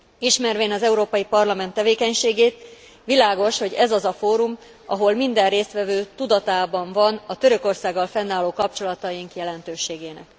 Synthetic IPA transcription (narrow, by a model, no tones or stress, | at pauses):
iʃmɛrʋeːnɒzɛuɾoːpɒjipɒrlɒmɛnt̪ːɛveːkɛɲʃeːɡeːt̪ | ʋilaːɡo̞ʃho̞ɟɛzɒzɒfoːɾum | ɒɦo̞lmind̪ɛrreːst̪ʋɛvøːt̪ud̪ɒt̪aːbɒɱvɒnɒt̪ø̞ɾø̞ko̞rsaːɡːɒlfɛnːaːloːkɒp̚t͡ʃo̞lɒt̪ɒjiŋkjɛlɛnt̪øːʃeːɡeːnɛ̰k